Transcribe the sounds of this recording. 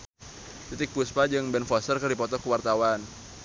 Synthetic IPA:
t̪it̪ɪk̚puspad͡ʒɨŋbɛnfɔsərkərdipɔt̪ɔkuwart̪awan

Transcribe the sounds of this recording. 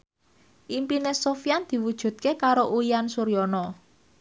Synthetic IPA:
ʔimpinesofjand̪̥i̤wud̥ʒ̥ṳd̪̚kekaɾoʔuiansuɾjɔnɔ

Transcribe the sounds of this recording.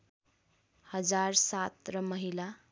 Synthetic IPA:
hʌd͡zaɾsat̪ɾʌmʌɦila

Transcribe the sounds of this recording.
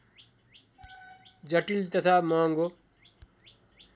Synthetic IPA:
d͡zʌʈilt̪ʌt̪ʰamʌŋɡo

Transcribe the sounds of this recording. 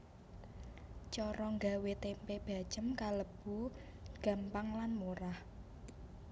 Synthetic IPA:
t͡ʃɔɾɔŋɡa̤wet̪empeb̥a̤̥ʒ̥ə̤mkaləb̥ṳ | ɡ̥a̤mpaŋlanmoɾah

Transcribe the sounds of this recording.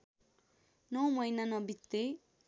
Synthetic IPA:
nʌwmʌjnanʌbit̪ːe

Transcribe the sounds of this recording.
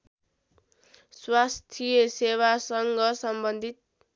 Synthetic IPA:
swast̪ʰijʌsewasʌŋɡʌsʌmbʌnd̪ʱit̪̚

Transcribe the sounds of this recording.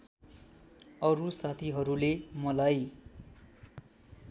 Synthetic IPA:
ʌɾusat̪ʰiɦʌɾulemʌlaj

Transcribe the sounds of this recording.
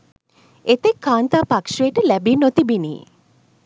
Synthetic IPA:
et̪ekʰːaːnt̪aːpakʃoeʈəlæbinot̪ibinḭː

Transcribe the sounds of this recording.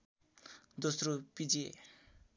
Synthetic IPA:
d̪osropid͡ze

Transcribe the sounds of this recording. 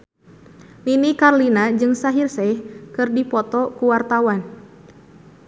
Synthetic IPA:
ninikarlinad͡ʒɨŋsaɦirsɛhkɨrdipɔt̪ɔkuwart̪awan

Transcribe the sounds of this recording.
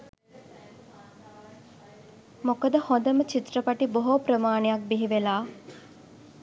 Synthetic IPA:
mokəd̪əhõnd̪əmət͡ʃit̪rəpaʈiboɦopɾəmaːɳejak̚biɦiʋelaː

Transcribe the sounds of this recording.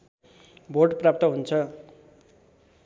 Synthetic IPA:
bʱorʈprap̚t̪ʌɦunt͡sʰʌ

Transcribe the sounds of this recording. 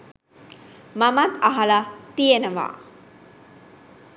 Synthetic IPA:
mamat̪aɦalat̪ijenəʋa̰

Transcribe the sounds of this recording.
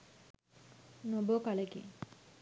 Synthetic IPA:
nobokalekḭ

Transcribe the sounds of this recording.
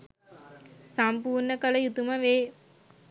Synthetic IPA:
sampuːrnəkələjut̪uməʋeː

